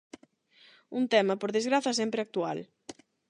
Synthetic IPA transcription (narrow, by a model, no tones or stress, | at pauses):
unt̪ɛmɐpoɾðezɣɾaθɐsɛmpɾeak̚t̪ual